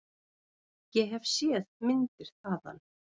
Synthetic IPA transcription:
jɛɦɛvsjɛðmɪnt̪ɪɾ̥θaːða̰nː

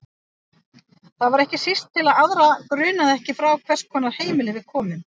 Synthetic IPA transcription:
θaðvaɾɛhcɪsist̪ʰːɪlaðaðɾakɾʏːnaðɛhcɪfɾawkʰv̥ɛr̥skʰɔːnːaɾ̥heːjmɪlɪvɪðkʰɔːmɪm

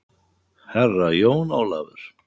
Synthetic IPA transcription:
hɛrːajoːwnaːwlavʏɾ̥

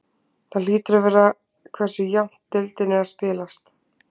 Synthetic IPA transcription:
θaliːt̪ʏɾavɛːɾa | kʰvɛr̥sʏjawm̥t̪ːɪlt̪ɪnːɪaspɪːlast̪

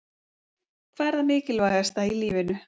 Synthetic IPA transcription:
kʰvaɛɾðamɪːcɪlvaɣɛst̪ailiːvɪnʏ

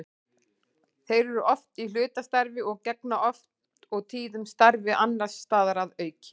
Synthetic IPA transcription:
θejɾɛɾʏʔɔft̪ilʏːt̪ast̪aɾvɪɔɣcɛknaʔɔft̪ɔɣt̪ʰiːðʏmst̪aɾvɪʔanːḁst̪aːðaɾaðœːɥcɪ̥

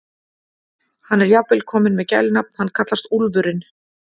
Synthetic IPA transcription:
hanːɛɾjapɪlkʰɔːmɪnmɛðca̰jlɪnap̚n̥hanːkʰat̪last̪ulvʏɾɪn

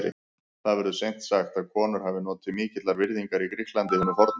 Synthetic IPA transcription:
ɾɪ̰ | θaðvɛɾðʏsejn̥t̪saxt̪aðkʰɔːnʏɾ̥havɪnɔːt̪ɪmiːcɪt̪laɾvɪɾðiŋkaɾikɾihklant̪ɪhɪnːʏfɔɾt̪n

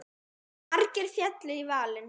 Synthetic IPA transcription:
aɾcɪɾ̥fjɛt̪lɪivaːlɪm

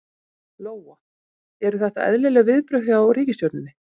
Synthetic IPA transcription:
loːwa | ɛɾʏθɛht̪a̰ʔɛ̰ðlɛlɛːɣavɪðpɾœɥhawɾiːcɪst̪jowt̪nɪnːɪ

